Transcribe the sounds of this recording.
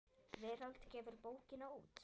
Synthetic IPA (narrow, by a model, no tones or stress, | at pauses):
vɛːɾalt̪cɛːvʏɾpoːwcɪnauːt̪